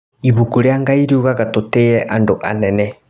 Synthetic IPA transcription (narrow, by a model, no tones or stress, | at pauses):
iβukuɾjaŋɡaiɾiuɣaɣatotejɛʔandoʔanɛnɛ